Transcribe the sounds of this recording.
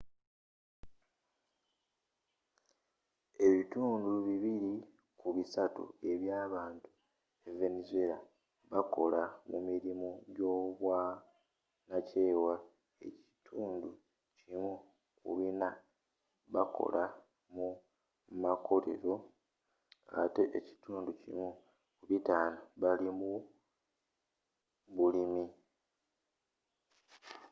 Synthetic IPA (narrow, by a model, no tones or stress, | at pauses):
e̞βituːnduβiβiɾi | kuβisatṵe̞βjaːβaːntu̥ | eve̞nizue̞la | βako̞lamumiɾimoɟo̞ːβwa | nace̞ːwa | e̞̰ci̥tʰuːndu | cimu | kṵβina | βako̞̰lʔa | mu | makʰo̞le̞̰ɾo̞ | a̰te̞ʔeci̥tuːnducḭmu | kuβitaːnoβalimu | βulimi